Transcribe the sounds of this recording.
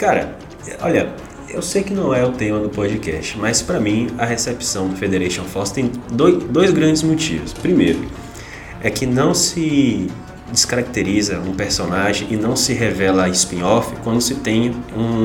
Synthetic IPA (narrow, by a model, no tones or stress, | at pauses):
kaɾɐ̰ | ɔ̰ʎɐ | ewsejkɪnɐ̃w̃ɛʊt̪ẽmɐd̪ʊpɔd͡ʒɪkɛ̰st͡ʃɪ̥mɐspɾɐmĩɐɦesepsɐ̃w̃fed̪eɾeʃõfɔst̪ẽj̃d̪ojd̪ojzɡɾɐ̃d͡ʒɪzmot͡ʃḭvʊspɾimejɾʊ | ɛkɪnɐ̃w̃sɪ | d͡ʒɪskaɾak̚t̪eɾizɐũpeɾsonaʒẽʔɪnɐ̃w̃sɪɦevɛlɐːispĩɲɔfɪkwɐ̃nd̪ʊsɪt̪ẽj̃ũ